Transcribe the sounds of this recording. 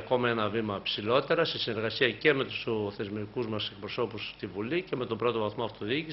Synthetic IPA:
ko̞mɐe̞nɐvimɐpsilo̞t̪e̞ɾɐst̪esine̞ɾɣɐsiɐce̞me̞t̪u̥sθe̞zmikuzmɐse̞k̚pɾo̞so̞pust̪ivulice̞me̞t̪o̞bɾo̞t̪o̞vɐθmoɐft̪o̞ðici

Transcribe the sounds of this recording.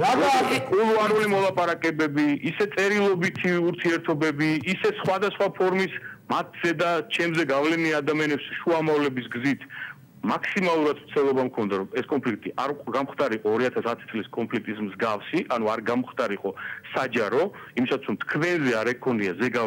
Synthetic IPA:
akʼulˠuanulimɔlˠapʼaɾakʼɛbɛbiisɛt̪sʼɛɾilˠɔbit̪ʰiuɾt̪ʰiɛɾt̪ʰɔbɛbiːsɛsχwad̪asχwapʰɔɾmismat̪ʰz̥ɛd̪at͡ʃʰɛmzɛɡavlɛniad̪amianɛpsʃuamavlɛbisɡzit̪ʰ | makʰsimalˠuɾad̪ɾt̪sʰt̪ɛlˠɔbamkʰɔnd̪aɾɔmɛskʼɔnpʰlik̚ʰt̪ʼiʔaɾɡamχd̪aɾiqʼɔːɾiat̪ʰasat̪ʰi̥t̪sʼliskʼɔnpʰlik̚ʰt̪ʼismzɡafsiʔanuaɾɡamχd̪aɾiqʼɔsad͡ʒaɾɔimisat̪sʰɾɔmt̪ʰkʰvɛnzɛaɾɛkʰɔniazɛɡa

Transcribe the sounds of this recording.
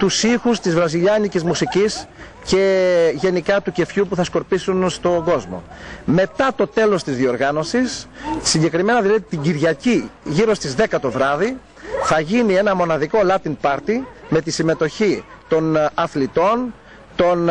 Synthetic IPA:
t̪usixust̪izvɾɐziʎɐnicizmusicis | ce̞ʝe̞nikɐt̪uce̞fçupuθɐsko̞ɾpisunst̪o̞ɡo̞zmo̰me̞t̪ɐt̪o̞t̪e̞lo̞st̪izðio̞ɾɣɐno̞sissiɲɟe̞kɾime̞nɐðilɐðit̪iɟiɾʝɐciʝiɾo̞st̪izðe̞kɐt̪o̞vɾɐði | θɐʝinie̞nɐmo̞nɐðiko̞lɐt̪inpɐɾt̪ime̞t̪isime̞t̪o̞çi | t̪o̞nɐθlit̪o̞n | t̪o̞n

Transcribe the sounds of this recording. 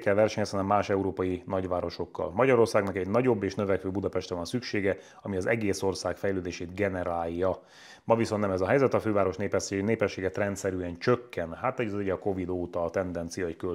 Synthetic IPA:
kɛlʋɛrʃɛɲɛshɒnɛmːaːʃɛuɾoːpɒjinɒɟʋaːɾo̞ʃo̞kːɒ̰lmɒɟɒɾo̞rsaːɡnɒkɛɟnɒɟo̞bːeːʃnøvɛkʋøːbud̪ɒpɛʃt̪ɛvɒnsykʃeːɡɛ | ɒmiɒzɛɡeːso̞rsaːkfɛjløːd̪eːʃeːd̪ɡɛnɛɾaːjːɒ | mɒvisonnɛmɛzɒɦɛjzɛt̪ɒføːvaːɾo̞ʃneːpɛʃeneːpɛʃːeːɡɛt̪rɛnt̪sɛɾyɛnt͡ʃøkːɛnhaːt̪hoɟziɟɒko̞vid̪oːt̪ɒlt̪ɛnd̪ɛnt̪sijɒɛckø

